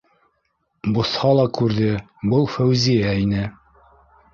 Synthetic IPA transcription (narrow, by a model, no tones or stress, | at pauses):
bŏθhɑlˠɑkʉɾðɘ | bɤlˠfæwzijæinɘ